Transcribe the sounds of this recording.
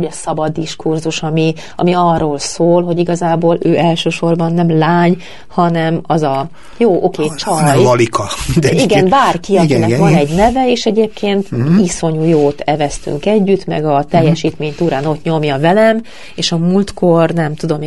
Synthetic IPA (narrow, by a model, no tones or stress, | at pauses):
oɟɒsɒbɒd̪ːiʃkurzuʃɒmi | ɒ̰miɒrːoːlsoːlɦo̞ɟiɡɒzaːboːløːʔɛlʃøːʃo̞rbɒnːɛmlaːɲ | hɒnɛmɒzɒ | joːʔokeːt͡ʃɒɒlikʰɒmind̪ɛiɡɛnbaːrkiɒkinɛvɒnɛɟnɛvɛeːʃɛɟeːp̚kʰeːnt̪iso̞ɲuːjoːt̪ɛvɛst̪y̰ŋkɛɟːyt̪mɛ̰ɡɒt̪ɛjːɛʃiːt̪meːɲt̪uːɾaːno̞t̪ɲo̞mjɒvɛlɛm | eːʃɒmult̪ko̞rnɛmt̪ud̪o̞m